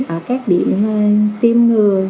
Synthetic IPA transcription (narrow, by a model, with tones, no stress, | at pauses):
ʔəː˧˩kaː˦˥k̚ɗi˧˩˨əm˨˩t̪i˧mŋɨ˨˩əj